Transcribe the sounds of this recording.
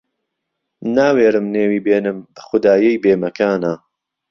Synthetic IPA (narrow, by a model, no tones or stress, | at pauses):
naːweːɾɨmneːwiːbeːnɨmɐxʊd̪aːjɐjbeːmɐkaːna